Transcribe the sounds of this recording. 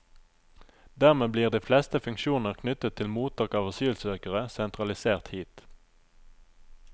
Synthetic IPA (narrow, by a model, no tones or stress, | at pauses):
d̪æːʁmeːbliːʁd̪iːflɛst̪əfʉŋkʃuːnəʁkʰnʏt̪ət̪ʰːɪlmuːt̪ʰɑːkɑːʋəʁsyːəlsøːkəʁəsɛnt̪ʁɑlɪseːʁt̪hiːt̪